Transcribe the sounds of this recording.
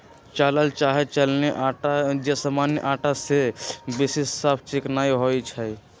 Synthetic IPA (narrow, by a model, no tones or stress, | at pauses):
t͡ʃaləlt͡ʃaɦet͡ʃəlneʔaad͡ʒesamanjəʔaːʈasebisesːəpʰt͡ʃɪknaiɦojt͡ʃʰɛ